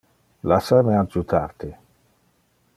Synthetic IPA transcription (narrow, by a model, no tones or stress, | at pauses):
lasamead͡ʒut̪ʰaɾt̪i